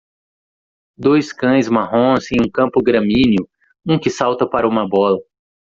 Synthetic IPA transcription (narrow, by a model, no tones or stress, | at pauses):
d̪ojskɐ̃j̃zmaɦõsẽj̃ũkɐ̃mpʊɡɾɐ̃mĩnjʊ | ũkɪsawt̪ɐpaɾɐũmɐbɔlɐ